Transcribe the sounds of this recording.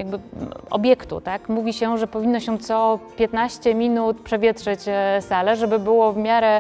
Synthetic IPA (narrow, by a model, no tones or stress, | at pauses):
jaɡ̚bɘɔ̰bʲjɛkt̪ṵt̪akmuvʲiɕɛʐɛpɔvʲinːɔɕɛt̪sɔpʲjɛt̪naɕt͡ɕɛmʲinut̪pʂɛvʲjɛtʂɛt͡ɕsalɛʐɛbɘbɘwɔvmʲjaɾɛ